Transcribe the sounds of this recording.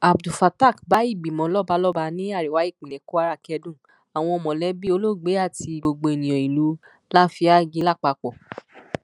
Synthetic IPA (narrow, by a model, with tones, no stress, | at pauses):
a˨bdu˨fa˧ta˦˨kba˨˦i˦˨ɡ͡bi˨mɔ̃˨˦lɔ˦ba˧˦lɔ˦ba˧nĩ˦a˦˨ɾi˨wa˨˦i˦˨k͡pĩ˨nɛ̃˨˦ku˦a˧ɾa˦˨kɛ˧dũ˦˨ | a˨w̃ɔ̃˧ɔ˧mɔ̃˨lɛ˦bi˦o˧˦lo˦ɡ͡be˨˦a˦˨ti˧ɡ͡bo˧ɡ͡bo˧e˨nĩ˨j̃ɔ̃˨i˨lu˨˦ | la˦fi˧˦a˦ɡi˧˦la˦˨k͡pa˧k͡pɔ˨